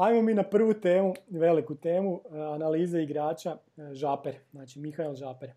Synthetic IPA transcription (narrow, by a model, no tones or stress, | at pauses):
ajmomiːnapr̩ʋut̪e̞ːmuʋe̞likut̪e̞ːmuanaliːzeiɡɾaːt͡ʃa | ʒaːpeɾznaːt͡ʃimixailˠʒaːpeɾ